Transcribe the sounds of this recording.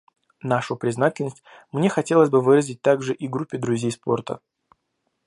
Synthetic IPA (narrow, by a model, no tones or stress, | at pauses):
naʂʊpɾʲɪznatʲɪlʲnəsʲtʲmnʲe̞xɐtʲe̞lˠəsʲzʲbɨvɨɾəzʲɪt̚ʲt̪aɡʐɨʔiɡɾupʲːɪd̪ɾʊzʲejspo̞̰rt̪ə̰